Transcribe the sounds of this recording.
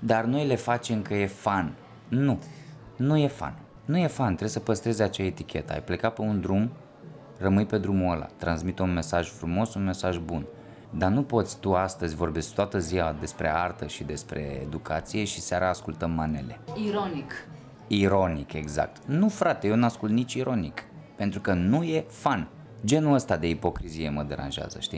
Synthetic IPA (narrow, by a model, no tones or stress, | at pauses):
d̪arno̞jle̞fat͡ʃe̞mkəje̞fanː | u | nuje̞fa̰nː | uje̞fant̪ɾesəpəst̪ɾe̞zʲat͡ʃae̞t̪ikʲʰe̞̰t̪əa̰jple̞kapeund̪ɾum | rəmɨjpe̞d̪ɾumuəla̰t̪ɾansmit̪unme̞saʒfɾumo̞sunme̞saʒbun | d̪anupo̞t̪sʲt̪uast̪əzʲvo̞rbe̞skt̪oat̪əziad̪e̞spɾe̞̰art̪əʃid̪e̞spɾe̞̰ḛd̪ukat̪sije̞ʃisaɾʔaːskult̪əmːane̞̰le̞̰iɾonik | iɾo̞nike̞ɡza̰k̚t̪nufɾat̪ejenuaskult̪nit͡ʃʲiɾʔo̞nik | pe̞nt̪ɾukənuje̞fan | d͡ʒe̞nuəst̪ad̪e̞ipo̞kɾizijeməd̪e̞ɾa̰nʒea̰zə̰ʃt̪ḭ